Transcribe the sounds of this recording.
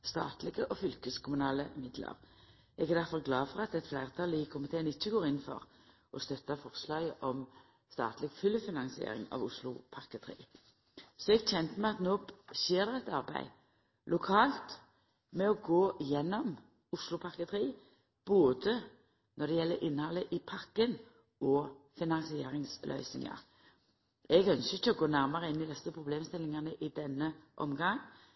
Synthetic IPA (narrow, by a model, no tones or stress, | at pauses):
st̪ɑ̰ːt̪lɪɡəʔɔfʏlkəskʰʊmʉnɑːləmɪd̪lə̰ʁ | ʔɛɡæʁd̪æʁfɑlɡlɑːfɔʁɑt̪ɛt̪flæɪʁt̪ʰɑːlɪkʰʊmɪt̪ʰeːnɪt͡ʃːəɡoːɾɪnːnfɔ̰ʁ | ʔɔst̪œt̪ːɑfɔʁslɑːɡəʔɔm | st̪ɑ̰ːt̪lɪɡfʏlːəfɪnɑŋsɪḛːɾɪ̰ŋɑ̰ʋʊslʊ̰pʰɑʁkət̪ʰʁḭː | sɔɛɡc͡çɛnt̪əmɛɑt̪noːseːʁd̪ɛɛt̪ɑʁbæ̰ɪ | lʊkʰɑːlt̪ | mɛɔɡoːjɛnːɔm | ʊʂlʊpʰɑɾkət̪ʰɾiː | b̥oːd̪ə | nʔɔd̪ɛjɛlːəɾʔɪnːəhɑlːəʔɪpʰɑkːən | ɔːfɪnɑŋsɪeːɾɪŋslœ̰ʏsnɪ̰ŋɑ̰ɾ | ɛɡœnsəɪçəɔɡoːnæɾmɑɾəɪnːɪd̪ɛsəpʰɾʊbleːmst̪ɪlɪŋɑnəʔɪd̪ɛnːəʔɔ̰mɡɑŋ